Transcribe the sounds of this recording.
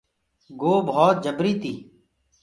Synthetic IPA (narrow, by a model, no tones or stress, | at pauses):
ɡoːbʱɔːt̪̚d͡ʒəbɾiːt̪iː